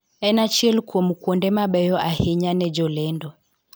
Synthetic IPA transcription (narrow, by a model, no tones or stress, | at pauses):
ɛnat͡ʃiɛlkuɔmukwɔndɛmaɓɛjɔʔahɛɲanɛd͡ʒɔlɛndɔ